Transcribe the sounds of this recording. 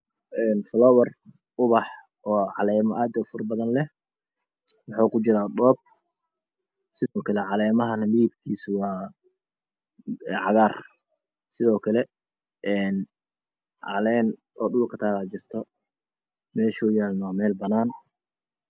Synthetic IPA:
ɛːnflɔːwɐr | ʊβɑħ | ɔːʕɑlɛːmɔʔaːd̪ɔfʊrbɐðɐnlɛ | wɑħɑːkʰʊt͡ʃɪɾaːɗɔːb̚ | sɪɔːkʰɐlɛʕɑlɛːmɐɦɐnɐliːb̚kʰiːswɑː | ɛʕɑɣaːr | sɪðɔːkʰɐlɛ | ʔɛːn | ʕɑ̰lɛːn | ɔːɗʊlkʰɐt̪ʰaːlaːt͡ʃɪrt̪ʰɔ | mɛːʃɔːjaːlnwaːmɛːlbɐnaːn

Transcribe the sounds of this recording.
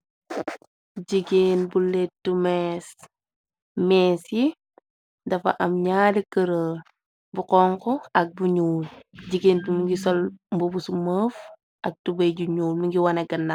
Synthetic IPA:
ɟiɡeːnbuletumɛs | mɛːsji | dɐfɐ̰ʔɐmɲaːdikəɾəːl | bukɔŋkɔɐk̚buɲuːlɟiɡeːndumiŋɡisɔlmbubusuməːf | ʔɐk̚tubejɟuɲuːlmiŋɡiwɐnɐɡənːa

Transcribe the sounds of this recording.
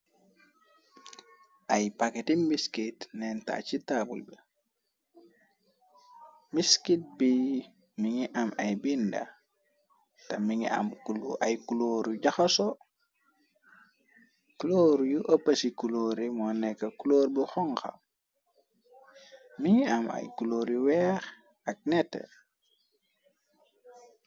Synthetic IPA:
ʔajpaketimbiskitnɛnta̰t͡ʃitabṵlbe | miskit̚bi | miŋiʔamajbinda̰ | tɐmiŋḭa̰mkulʔajkuloːɾuɟaxaso | kuloːɾujuʔopːɐsikuloːɾimɔnːɛkːɐkuloːɾbixɔŋxa̰ | miŋiama̰jkuloːɾiwɛːx | ɐk̚nɛtːɛ̰

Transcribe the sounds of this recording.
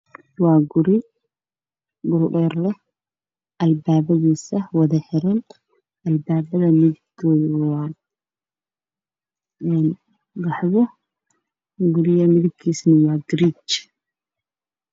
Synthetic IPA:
wɑːɡʊɾɪ | ɡʊɾʔɛːrlɛ | ʔɐlbaːβɐðiːsɐwɐðɐħɪɾɐn | ɐlbaːbɐðɐmɪðɪb̚kʰɔːðɪwɑː | ɛn | ɡɑħβɔ | ɡʊɾɪjɐmɪðɪb̚kʰiːsnɐwɑːɡɾiːt͡ʃ

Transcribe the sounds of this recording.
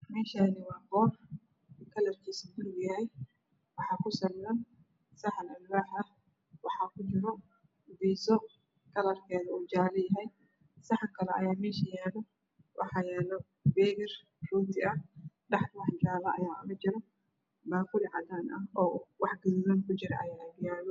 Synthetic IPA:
mɛːʃaːnɪwɑːbɔːr | kʰɐlɐrkʰiːsuɡʊɾʊɡjɐɦɛj | wɑħɑːkʰʊsɐljɐn | sɑħɐnɐlwaːħɐ | wɑħɑːkʰʊt͡ʃɪɾɔ | biːsɔ | kʰɐlɐrkʰɛːðɐuːt͡ʃaːlɐjɐɦɛj | sɑħɑkʰɐlɛɐ̰jaːmɛːʃɐjɛːlɔ | wʔɑ̰ħɑːjɛːlɔ | bɛːɣɐr | ruːt̪ʰɪɐ | ɖɑħwɑħd͡ʒaːβɐʔɐja̰ːmɐt͡ʃɪɾɔ | baːkʰʊlɪʕɑd̪aːnɐɔːwɑħɡɐsdɐnkʰʊt͡ʃɪɾɛʔɐjaːɡjaːlɔ

